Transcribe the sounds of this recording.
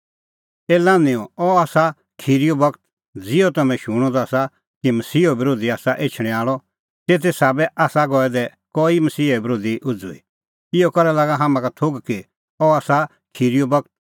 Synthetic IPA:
eːlãːnɪ̃ɔɔaːsa | kʰiːɾijɔbɐkt̪ | d͡zɪɔt̪ɐmɛ̃ʃʊɽ̃ɔd̪ɔaːsa | kimɐsiːɔbɪɾoːd̪iaːsaʔeːt͡ʃʰɽ̃ɛ̃aːɭɔ | t̪eːt̪̬ʰesaːbɛʔaːsaɡɔɛd̪ɛ | kɔːimɐsiːɛbɾoːd̪iʔʊd͡zṵḭ | ɪɔkɐɾɛlaːɡaɦaːmãkat̪ʰoɡki | ɔaːsa | kʰiːɾijɔbɐk̚t̪̚

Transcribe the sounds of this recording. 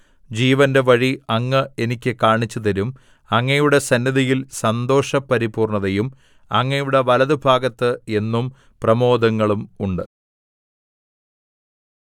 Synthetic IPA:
d͡ʑiːʋɐnde̞ʋɐɻiɐŋːɨe̞nikʲːɨkaːɳit͡ɕːuðɐɾum | ɐŋːɐjuɽe̞sɐnːɐðijilsɐnd̪o̞ːʂɐpɐɾibuːrɳɐðɐjum | ɐŋːɐjuɽe̞ʋɐlɐðɨbʱaːɡɐt̪ːɨe̞nːum | prɐmo̞ːd̪ʱɐŋːɐɭumuɳɖɨ

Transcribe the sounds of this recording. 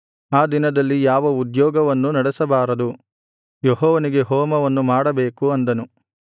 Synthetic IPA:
aːd̪inɐd̪ɐlːijaːʋɐud̪jɔːɡɐʋɐnːunɐɽɛsɐbaːɾɐd̪u | jɔɦɔːʋɐniɡeɦɔːmɐʋɐnːumaːɽɐbeːkuɐnd̪ɐnu

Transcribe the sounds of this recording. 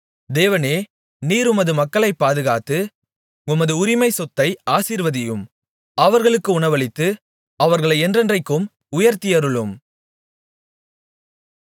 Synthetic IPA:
d̪eːʋɐneː | niːɾʊmɐðɯmɐkːɐɭɐɪpːaːðɯɣaːt̪ːɯ | ʊmɐðɯʊɾɪmɐɪsɔt̪ːɐɪaːsiːɾʋɐðɪjɯm | ɐʋɐɾɣɐɭɯkːɯʊɳɐʋɐɭɪt̪ːɯ | ɐʋɐɾɣɐɭɐɪɛndrɛndrɐɪkːɯm | ʊjɐɾt̪ɪjɐɾɯɭɯm

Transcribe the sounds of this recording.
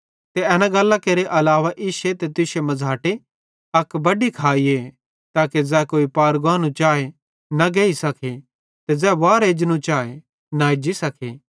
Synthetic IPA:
t̪eɛːnãɡɐlːakeːɾeʔɐlaːʋaʔɪʃet̪et̪ɪʃemɐd͡zʱaːʈe | ɐkbɐɖikʰaːie | t̪aːked͡zɛːkoːipaːɾɡaːnũt͡ʃaːe | nɐɡeːisɐkʰe | t̪ezɛːʋaːɾeːd͡ʒnũt͡ʃaːe | naed͡ʒisɐkʰeː

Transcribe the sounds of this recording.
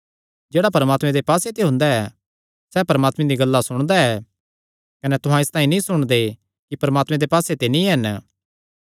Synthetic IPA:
d͡ʒeːɽapɐɾəmaːt̪mẽd̪epaːset̪eɦʊ̃nd̪aɛ | sɛːpɐɾəmaːt̪mẽd̪iɡɐlːasʊɽ̃d̪aɛ | kɐnɛt̪ʊɦãɪst̪aːĩnĩsʊɽ̃d̪e | kipɐɾəmaːt̪mẽd̪epaːset̪enĩɦɐn

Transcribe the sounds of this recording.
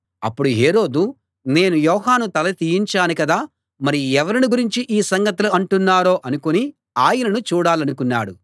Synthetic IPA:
ɐ̰pːuɽuɦe̞ːɾo̞ːd̪u | ne̞ːnujɔːɦaːnut̪ɐlɐt̪ijiɲt͡ʃaːnikɐd̪aː | mɐɾiɛʋɐɾiniɡuɾiɲt͡ʃiʔiːsɐŋɡɐt̪uluɐɳʈunːaːɾo̞ːʔɐnukoni | aːjɐnɐnut͡ʃuːɽaːlɐnukunːa̰ːɽu

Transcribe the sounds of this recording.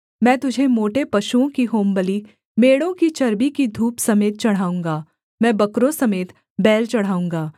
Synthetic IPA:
mɛ̃ːt̪ʊd͡ʒʱemoːʈepɐʃuõkiɦoːmbəli | meːɽõkit͡ʃɐɾbikid̪ʱuːpsɐmeːt̪̚t͡ʃɐɽ̤ɦaːũːŋɡaː | mɛ̃ːbɐkɾõsɐmeːt̪ | bɛːlt͡ʃɐɽ̤ɦaːũːŋɡaː

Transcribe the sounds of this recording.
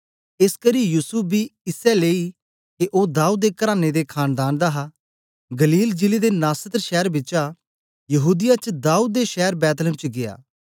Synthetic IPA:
ɪskəɾijuːsʊp̚ʰbiːɪsɛleːi | keʔoːd̪aːuːd̪̚ːeːkəɾaːned̪ekʰaːnd̪aːnd̪aɦa | ɡəliːld͡ʒɪlid̪enaːsət̪ɾʃɛːɾbɪːt͡ʃa | jəɦuːd̪ɪjat͡ʃd̪aːuːd̪̚ːeʃɛːəɾbɛːt̪ləmt͡ʃɡɪa̰ː

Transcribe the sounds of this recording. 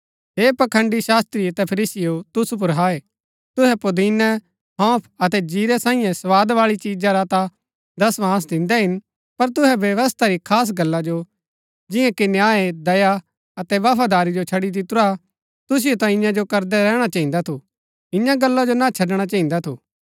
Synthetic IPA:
ɦeːpɐkʰə̃ɳɖiʃaːst̪ɾiɐt̪ɛpʰɐɾiːsɪjot̪ʊsup̬ʊɾɦaːe | t̪ʊɦɛpʊd̪iːnɛ | ɦãːpʰɐt̪ɛd͡ʒiːɾɛsãːĩːjɛ̃sɐʋaːd̪ʋaːɭit͡ʃiːd͡ʒaɾat̪a | d̪ɐsʋãːs̬d̪ɪ̃nd̪ɛɦɪn | pɐɾt̪̬ʊɦɛʋjɐʋəst̪ʰaɾikʰaːs̬ɡɐlːad͡ʒo | d͡ʒɪ̃jãkɪnjaːed̪ɐja | ɐt̪ɛʋapʰad̪aːɾid͡ʒot͡ʃʰɐɽid̪ɪt̪ʊɾa | t̪ʊs̬ɪjot̪ãɪ̃jãd͡ʒokɐɾd̪ɛɾɛːɽ̃at͡ʃɐːĩnd̪at̪ʰu | ɪjãɡɐlːad͡ʒonãt͡ʃʰɐɖɽ̃at͡ʃɐːĩnd̪at̪ʰṵː

